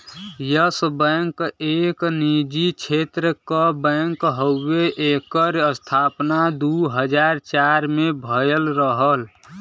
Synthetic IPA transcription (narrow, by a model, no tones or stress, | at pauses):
jəsəbə̃ŋkeknid͡ʒit͡ʃʰet̪ɾəkəbə̃ŋkɦəʊːeʔekəɾəst̪ʰapnad̪uɦəd͡ʒaɾt͡ʃaɾmebʱəjəlɾəɦəl